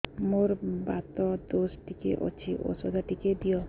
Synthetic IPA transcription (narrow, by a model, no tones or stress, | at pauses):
moɾbat̪ɔd̪osʈikḛʔo̰t͡ʃʰiʔo̰sɔd̪aʈiked̪ijɔ